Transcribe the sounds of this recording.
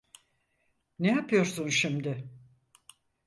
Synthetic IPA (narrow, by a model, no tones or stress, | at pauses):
nejapɯjo̞ɾsunʃimd̪ɪ